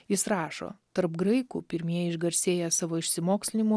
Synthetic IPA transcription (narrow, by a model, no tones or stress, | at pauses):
jɪsɾɑːʃo̰ːt̪ɐɾpɡɾɐɪkṵːpʲɪɾʲmʲiɛɪʒɡɐɾʲsʲeːjɛsɑːʋoːɪʃʲsʲɪmoːksʲlʲɪnʲɪmoː